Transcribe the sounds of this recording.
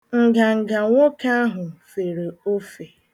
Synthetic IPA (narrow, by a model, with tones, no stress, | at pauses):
ŋ̩˨ɡa˨ŋ̩˨ɡa˨ŋʷo˦ka˦a˦ɦʊ˨fe˨ɾe˨o˦fe˨